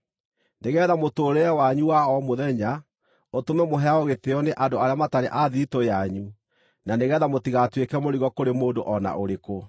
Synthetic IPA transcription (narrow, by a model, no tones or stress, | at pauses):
neɣɛːðamotoːɾeɛwaɲuwaɔmoðɛɲa | otomɛmoɦɛaoɣeθeɔneʔadoaɾeamataɾeʔaðitojaɲu | naneɣɛːðamotiɣatwekɛmoɾiɣɔkoɾemoːdoʔɔna̰ʔoɾeko